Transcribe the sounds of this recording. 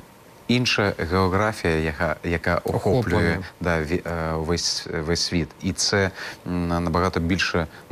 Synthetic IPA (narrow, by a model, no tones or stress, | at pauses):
inʂɐjɐɣɛɔɣɾafʲijɐjajakaʔuxɔplʲjɛd̪avʲvɛsʲvɛsʲvʲit̪it̪sɛ | nɐbaɣat̪ɔbʲilʲʂɐ